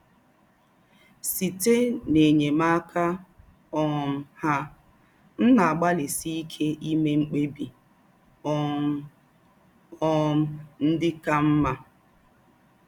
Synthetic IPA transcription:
si˨te˦ne˨ɲe˨ma˦kʰa˦ | ɔ˦m̩˨ha˦ | n̩˦na˨a˨ɡ͡ba˦lɪ˨si˦i˦kʰe˦ʔi˦me˦ŋ͡m̩˦k͡pe˦bi˨˦ | ɔ˦m̩˦n̩˦dɪ˦ka˦m̩˦ma˦

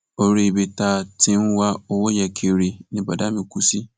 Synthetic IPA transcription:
o˨ɾe˨be˨taː˦˨tʰɪ̃˦n˦wa˦ɔ˨wɔ˦ja˨kʰe˨ɾi˨nɪ̃˨ba˨da˦mɪ̃˨kʰu˦si˦

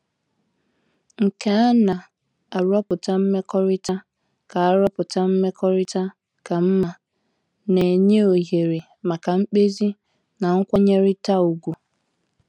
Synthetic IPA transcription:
ŋ̩˨ke˨a˦na˨ | a˨ɾɔ˦pʊ˨ta˦m̩˦me˦kɔ˦ɾɪ˦ta˦ | ka˨a˦ɾɔ˦pʊ˨ta˦m̩˦me˦kɔ˦ɾɪ˦ta˦ | ka˨m̩˦ma˨ | ne˨ɲe˦o˨ɦe˨ɾi˨ | ma˨ka˨ŋ͡m̩˦k͡pe˦zi˦ | na˨ŋ̩˦kʷa˦ɲe˦ɾɪ˦ta˦u˨ɡʷu˨

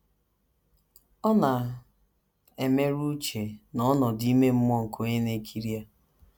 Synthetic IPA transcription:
ɔ˦na˨ | e˨me˦ɾu˦t͡ʃe˨nɔ˦nɔ˨di˦i˦me˦m̩˦m˦ɔ˦ŋ̩˨kʰo˦ɲe˦ne˦kʰi˦ɾi˦a˦

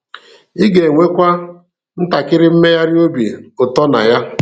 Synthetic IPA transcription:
i˦ɡe˨ŋʷe˦kʷa˦ | n̩˦ta˨kɪ˦ɾɪ˦m̩˦me˦ja˦ɾɪ˦o˦bi˨ʊ˨tɔ˦na̰˨ja˦

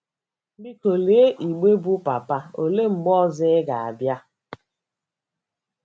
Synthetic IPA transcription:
bi˦ko˨le˨e˦ʔi˨ɡ͡be˦bu˦pa˨pa˦o˨le˦ŋ͡m̩˨ɡ͡bɔ˦zɪ˦ɪ˦ɡa˨a̰˨bja˦

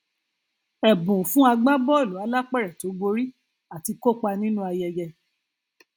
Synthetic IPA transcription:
ɛ˨bũ˨fũ˦a˧ɡ͡ba˦bɔ˦˨lu˨˦a˧˦la˦k͡pɛ˦˨ɾɛ˨to˨˦ɡ͡bo˧ɾi˦ | a˨ti˧ko˦˨k͡pa˧nĩ˦nũ˦a˧jɛ˧jɛ˧

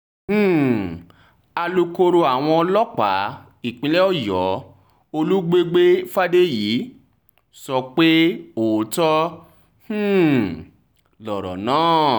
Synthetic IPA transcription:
h̩˦˨ | a˧lu˧ko˧ɾo˧a˨w̃ɔ̃˧lɔ˦k͡pa˨˦ | i˨k͡pĩ˨˦lɛ˦ɔ˦˨jɔ˨˦ | o˧lu˦ɡ͡be˦ɡ͡be˦fa˦de˦jiː˨˦ | sɔ˧k͡pe˦o˨˦tɔ˦ | h̩˦ | lɔ˨ɾɔ̰˨nãː˦˨

